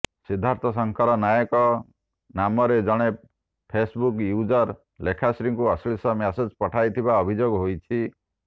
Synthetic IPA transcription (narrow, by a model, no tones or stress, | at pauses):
sid̪ʱːaɾt̪ʰɔs̬ɔŋkʰɔɾɔnajɔkɔ | namɔɾed͡ʒɔɽ̃e | pʰesbukjud͡ʒɔɾ | lekʰasɾiŋkuɔslisɔmased͡ʒpɔʈʰajt̪ʰibaɔbʱid͡ʒoɡɦojt͡ʃʰi